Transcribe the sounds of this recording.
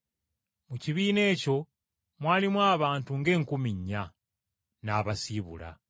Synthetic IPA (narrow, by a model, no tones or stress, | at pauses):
muciβiːne̞ːco̞ | mwaːlimwaːβaːntuŋɡe̞ːŋkumiɲːa | naːβasiβṵla̰